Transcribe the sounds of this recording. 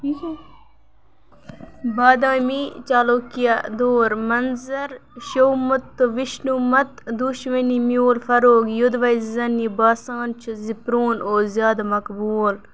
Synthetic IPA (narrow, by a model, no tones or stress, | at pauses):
baːd̪ãːmit͡ʃaːloːkijad̪oːɾmɐnzɐɾʃowmɐt̪ːoʋiʃnumɐt̪d̪uʃmɐnimjoːlfɐɾoːɡjud̪ʋɐjzɐnibaːsaːnt͡ʃʰuzipɾoːnoːzjaːd̪ɐmɐkbuːl